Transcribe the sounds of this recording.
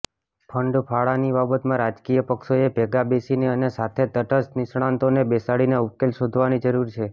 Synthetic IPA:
pʰəɳɖpʰaɭanibabət̪mãɾad͡ʒkijəpəkʃoebʱɛɡabesineənesat̪ʰet̪əʈəsnɪsɽ̃ãnt̪onebesaɽineukelʃod̪ʱʋanid͡ʒəɾuɾt͡ʃʰe

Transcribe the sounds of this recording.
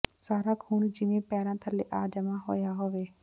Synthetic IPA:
saːɾaːkʰuːnd͡ʒɪʋẽːpɛːɾãːt̪ʰəleːʔaːd͡ʒəmaːɦo̰ːjaːɦoːʋeː

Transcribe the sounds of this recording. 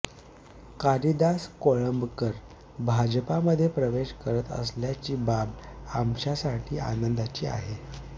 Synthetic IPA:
kaɾid̪askoɭəmbkəɾ | bʱad͡ʑpaməd̪ʱːjepɾəʋeɕkəɾət̪ə̰sljat͡ɕiːbabamɕasaʈʰiːa̰nənd̪at͡ɕiːa̰ɦe

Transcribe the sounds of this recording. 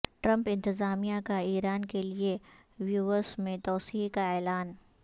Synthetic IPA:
ʈɾə̃mpɪ̃nt̪ɪzaːmijakaiːɾaːnkelie | ʋjuʋəsmẽt̪ɔːsiːkaɛːlaːn

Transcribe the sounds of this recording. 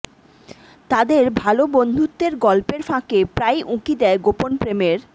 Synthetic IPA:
t̪ad̪eɾbʱalobond̪ʱut̪ːeɾɡɔlpeɾfãkepɾajʔũkid̪ɛeɡoponpɾemeɾ

